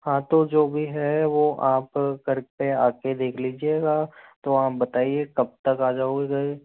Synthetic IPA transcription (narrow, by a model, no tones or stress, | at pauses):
ɦãːt̪od͡ʒoːbʱiɦɛʋoʔaːpkɐɾpeaːked̪eːkʰliːd͡ʒieɡat̪oɦaːbɐt̪aːiekɐb̚t̪ɐkaːd͡ʒaːoɡeɡɐi